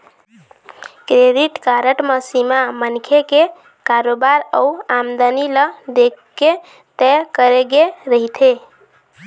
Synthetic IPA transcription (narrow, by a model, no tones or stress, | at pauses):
kɾeɖiʈkaɾəʈməsimamənkʰeke | kaɾobaɾəuamd̪əniləd̪ekːe | t̪ɛkəɾeɡeɾəɦit̪ʰe